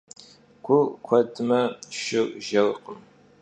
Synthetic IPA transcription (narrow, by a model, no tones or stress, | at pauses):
kʷʰʊkʷʰɔdmɐʃɪʒɐwqʼəm